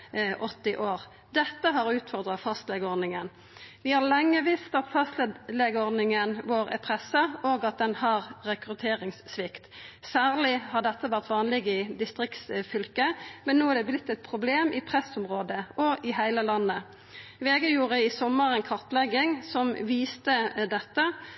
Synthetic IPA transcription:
ʔɔt̪ːɪʔoːʁ | d̪ɛt̪ːəɦɑʁʉːt̪fɔʁd̪ʁɑfɑst̪lɛːɡəɔʁd̪nɪŋən | ʋɪhɑlɛŋːəʋiːst̪ɑt̪fɑst̪lɛd̪lɛɡəɔʁd̪nɪŋənʋoːʁɛ̰pʰɾɛsːəoːɡɑt̪̚d̪ɛnhɑʁʁɛkʁʉt̪ʰeːʁɪŋsːʋɪkt̪sæːʁlɪhɑʁd̪ɛt̪ːəʋæʁt̪ʋɑːnlɪɡəɪd̪ɪst̪ʁɪkt̪sfʏlkəmɛnːoːæd̪ɛblɪt̪ːɛt̪̚pʰʁʊbleːmɪpʰʁɛsɔmʁoːd̪əʔɔʔɪɦæɪləlɑnːə | ʋeːɡəjuːʁəɪsɔmːəʁɛːnkʰɑʁt̪lɛɡːɪŋsɔmʋiːst̪əd̪ɛt̪ːə

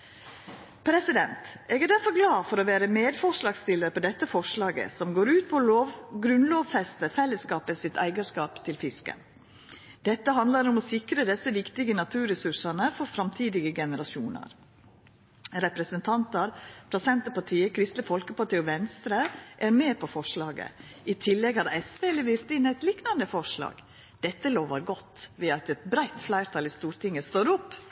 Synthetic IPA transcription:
pʰɾɛsɪd̪ɛnt̪eːɡæːɖ̪æɾfɔɾɡlɑːfɔɾɔʋæːɾəmeːd̪fɔʂlɑːɡst̪ɪləɾpʰɔd̪ɛt̪ːəfɔʂlɑːɡə̰sɔmɡoːɾʉːt̪̚pʰɔɡɾʉnloːʋfɛst̪əfɛlːəskɑːpəsɪt̪ʰæ̰ɪɡəʂkɑːpt̪ʰɪlfɪskə̰n | d̪ɛt̪ːəɦɑnd̪ləɾɔmɔsɪkɾəd̪ɛsəʋɪkt̪ɪɡənɑt̪ʰʉːɾɛsʉʂɑnəfɔɾfɾɑmt̪ʰiːd̪ɪɡəɡɛnəɾɑʃuːnə̰ɾ | ɾɛpɾəsənt̪ʰɑnt̪əɾpʰɾɑsɛnt̪ɔpɑʈʰiːəkʰɾɪst̪ləfɔlkəpɑʈiːɔʋɛnst̪ɾəʔæɾmeːpʰɔfɔʂlɑːɡə̰ɪt̪ʰɪlːɛɡhɑɾɛsʋeːɛləʋɪɾt̪ɪnæɪt̪liknɑnd̪əfɔʂɭɑ̰ːɡ̥ | d̪̥ɛt̪ːəloːʋəɾɡɔt̪ːʋɛɑt̪ɛt̪bɾæɪt̪flæɪɾt̪ʰɑliːst̪uːɾt̪ɪŋːəst̪oːɾʊpː

